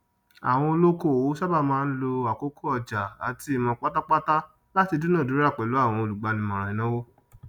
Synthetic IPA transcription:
a̰˨w̃ɔ̃˧o˧lo˦ko˦˨o˨˦sa˦ba˦˨mãː˦˧n̩˦lo˧a˨ko˦ko˦ɔ˨d͡ʒa˨a˨ti˧i˨mɔ̃˧k͡pa˦ta˦k͡pa˦ta˦ | la˦ti˧du˦nã˦˨du˨˦ɾa˦˨k͡pɛ˨lo˨˦a˦˨w̃ɔ̃˧o˧lu˨ɡ͡ba˨˧nĩ˧mɔ̃˨ɾ̃ã˨ĩ˨nã˦wo˦

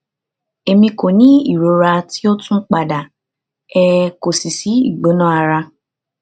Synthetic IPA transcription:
e˨mĩ˧ko˨nĩ˦i˦˨ɾo˨˦ɾa˧ti˦o˦tũ˦k͡pa˨da˨ | ɛ˧ko˨si˨si˨˦ḭ˦˨ɡ͡bo˨˦nã˦a˧ɾa˧

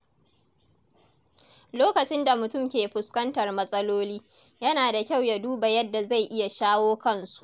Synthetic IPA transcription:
loː˦kɐ˨t͡ʃɪ˦nda˨mʊ˨tʊ˦˨mkʲeː˨ɸʊ˨skɐ˦ntɐ˨rmɐ˦sʼɐ˦loː˦liː˦ | jɐ˦naː˨da˨kʲa˦˨wja˨duː˦ba˨jɐ˦dːa˨za˦˨jʔɪ˦ja˨ʃaː˦woː˦kɐ˦˨nsu̥˨ʔ

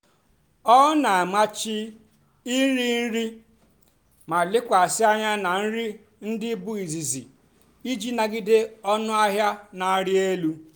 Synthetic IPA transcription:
ɔ˦na˨a˨ma˦t͡ʃɪ˦ | i˦n̩˦ɾi˦n̩˦ɾi˦ | ma˨lɪ˦kʷa˨a˨sɪ˦a˦ɲa˦na˨n̩˦ɾi˦ | n̩˦dɪ˦bʊ˦i˨zi˨zḭ˨ | i˦d͡ʒi˦na˨ɡɪ˦de˦ɔ˦nʊ˦a˦ɦja˦na˨a˦ɾɪ˦e˦lu˦

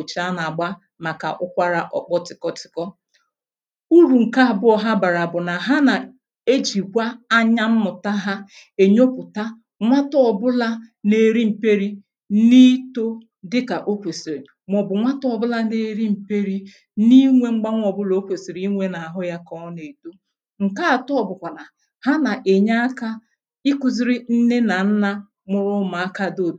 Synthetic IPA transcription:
o˨t͡ʃa˦na˨ɡ͡ba˦ | ma˨ka̰˨ʔʊ˦kʷa˦ɾa˦ʔɔ˨k͡pɔ˦tɪ˨kɔ˦tɪ̥˨kɔ˦ | u˦ɾu˨ŋ̩˨ka˦˨bʊ˦ɔ˨ɦa˦ba˨ɾa˨bʊ˨na˨ɦa˦na˨ | e˦d͡ʒi˨kʷa˦a˦ɲa˦m̩˦mʊ˨ta˦ɦa˦ | e˨ɲo˦pʊ˨ta˦ | ŋʷa˦tɔ˦ɔ˨bʊ˦la˦ne˨˦ɾi˦m̩˨pe˦ɾi˦ | ni˦to˦ | dɪ˦ka˨ʔo˦kʷe˨si˨ɾe˨ | m˨ɔ˨bʊ˨ŋʷa˦tɔ˨bʊ˦la˦ne˦ɾi˦m̩˨pe˦ɾi˦ | ni˦ŋʷe˦ŋ͡m̩˦ɡ͡ba˦ŋʷ˦ɔ˨bʊ˦lo˨˦o˦kʷe˨si˨ɾi˨i˦ŋʷe˦na˨a˨ɦʊ˦ja˦kɔ˦ne˨to˦ | ŋ̩˨ka˦a˨tʊ˦ɔ˨bʊ˨kʷa˨na˨ | ha˦na˨ʔe˨ɲa˦ka˦ | ɪ˦kʊ˨zi˦ɾi˦n̩˦ne˦na˨n̩˦na˦ | mʊ˦ɾʊ˦ma˨a˦ka˦do˦˨d

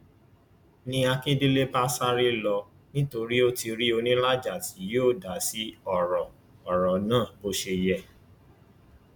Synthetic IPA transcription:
nĩ˧a˧kĩ˦di˦le˦ba˦sa˦ɾi˦lɔ˧ | nĩ˦to˧ɾi˦o˦ti˧ɾi˦o˧nĩ˦la˦d͡ʒa˦˨ti˨˦joː˦˨da˨˦si˦ɔ˦˨ɾɔ˨ | ɔ˨ɾɔ˨nãː˦˨bo˦ʃe˧jɛ˧

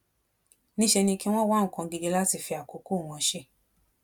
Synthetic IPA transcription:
nĩ˦ʃɛ˧nĩ˧ki˦w̃ɔ̃˦wa˦ŋ̩˨kã˧ɡe˧ɡe˦la˦ti˧fi˧a˨ko˨˦ko˦˨w̃ɔ̃˧ʃe˦˨

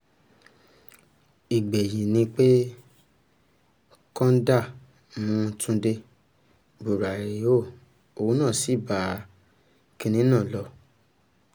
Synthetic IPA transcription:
i˨ɡ͡be˨ji˨nĩ˧k͡pe˦ | kɔ̃˦n˦da˦˨ | mũ˧˦˧tũ˧de˧ | bu˨ɾa˨i˨˦o˦˨ | o˨wu˦nã˦˨si˨˦˨ba˨˦ | ki˧nĩ˦nãː˦˨lɔ˧˦

